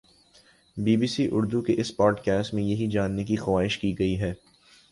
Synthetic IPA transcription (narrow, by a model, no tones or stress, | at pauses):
biːbiːsiʔʊɾd̪ukeʔɪspɔːɖkɛːsʈmẽjɐɦid͡ʒaːnːekixɐʋaːɦɪʃkiɡɐiɦɛː